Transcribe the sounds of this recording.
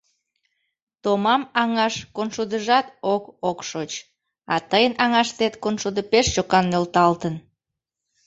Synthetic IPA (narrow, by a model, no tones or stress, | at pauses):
t̪omɑmɑŋɑʃkonʃud̪əʒɑt̪okokʃot͡ɕ | ɑ̰t̪əjənɑŋɑʃt̪et̪konʃud̪əpeʃt͡ɕokɑnːølt̪ɑlt̪ən